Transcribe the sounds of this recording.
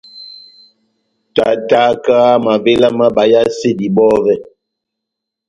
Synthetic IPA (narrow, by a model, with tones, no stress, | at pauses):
ta˨ta˨˦kaː˦ma˨ve˦la˦ma˦ba˨ja˦se˦˨di˨bɔ˦vɛ˦